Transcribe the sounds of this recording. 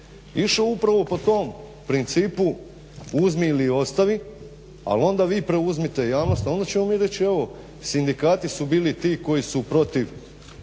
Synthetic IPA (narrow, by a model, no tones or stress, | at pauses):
iʃoupɾaʋo̞po̞t̪o̞ːm | pɾint̪siːpu | uzmiːlio̞st̪aʋi | a̰lo̞nd̪aʋiːpɾe̞uzmit̪e̞jaːʋno̞st̪o̞nd̪at͡ɕe̞momiɾe̞t͡ɕie̞ʋo̞ | sind̪ikaːt̪isubiːlit̪iːko̞jisupɾo̞t̪iʋ